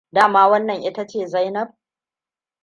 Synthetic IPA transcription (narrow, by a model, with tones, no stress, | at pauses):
daː˦˨maː˦wɐ˦nːɐ˨ŋʔɪ˦ta˦t͡ʃeː˦˨zɐ˦jnɐ˦b̚